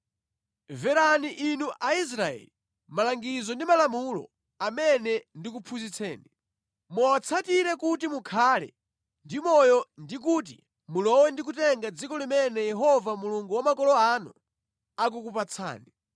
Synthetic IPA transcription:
vɛɾaniʔinuʔais̬ɾaɛ̰li | malaŋɡizɔndimalamulɔ̰ | amɛnɛndik̬upʰuzit͡sʰɛ̰ːni | mɔwat͡sʰatiɾɛkutimukʰaːlɛ̰ | ndimɔjɔndik̬uːt̬ḭ | mulɔwɛndik̬utɛŋɡad͡zikɔlimɛnɛjɛɦɔvamuluŋɡuwamakɔlɔanṵ | ak̬ukupat͡sʰa̰ːni

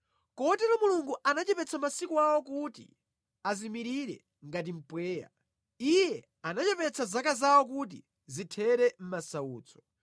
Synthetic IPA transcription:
kɔɔtɛlɔmuluŋɡuʔanat͡ʃɛpɛt͡sʰamasikuawɔkutḭ | azimiɾiɾɛ̰ | ŋɡat̬im̩pwɛːja̰ | ijɛ | anat͡ʃɛpɛt͡sʰazakazawɔk̬ut̬i | zitʰɛɾɛm̩masauːt͡sʰɔ̥

